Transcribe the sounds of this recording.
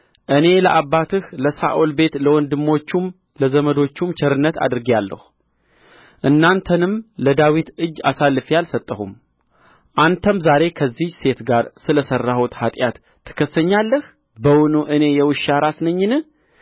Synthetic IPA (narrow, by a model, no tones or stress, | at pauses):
ʔɨne̞ləʔabːat̪ʰɨhləsa̰ʔolbe̞t̪ləwɔnd̪ɨmːo̞t͡ʃːum | ləzəməd̪o̞t͡ʃːumt͡ʃʰɛɾɨnːət̪ʰa̰d̪ɨɾɨɡjalːə̰hu | ʔɨnːant̪ʰənɨmləd̪awit̪ɨd͡ʒːa̰salːɨfjalsət̪ʼːəhum | ʔant̪ʰəmzaɾe̞kʰəzːihse̞t̪ɡaɾsɨləsərːahut̪hat̪ʼjat̪ʰːɨ̥kʰəsːəɲːalːəh | bəwʊnuʔɨne̞jɛwɨʃaɾasnəɲːɪnɨ